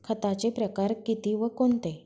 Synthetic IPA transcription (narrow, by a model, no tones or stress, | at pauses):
kʰət̪at͡ɕepɾəkaɾkit̪iʋəkont̪e